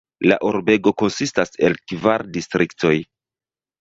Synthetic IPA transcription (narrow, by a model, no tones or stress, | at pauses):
la̰ʔuɾbe̞ɡo̞ko̞nsistase̞lkvaɾdistɾikto̞j